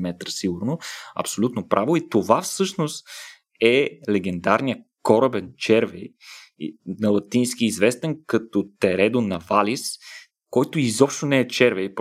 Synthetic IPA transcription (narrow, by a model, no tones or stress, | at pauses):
mɛt̪ɾəsiɡʊɾnoɐ̰psolʲut̪nopɾʔavoit̪ovafsɤʃnost̪ | ɛlɛɡ̟ɛnd̪aɾnijə | kɔɾəbɛnt͡ʃɛɾvɛj | nɐlˠɐt̪insk̟iːzvɛst̪ɛnkɐt̪ɔt̪ɛɾɛd̪onɐvalʲis | kɔjt̪ʊizɔpʃt̪onɛɛt͡ʃɛɾvɛjp